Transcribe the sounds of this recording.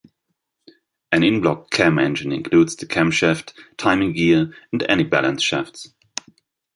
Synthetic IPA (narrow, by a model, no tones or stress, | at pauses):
ʔɨ̃nɪ̃nblɔkʰːɛmɛ̃nd͡ʒɨ̃nɪ̰̃nkʰl̥udz̥ðɨkʰæ̃mʃɛfttʰãɪ̃mɪ̃ŋɡiə̃n̩dɛ̰nibæ̰lə̃nsʃɛfts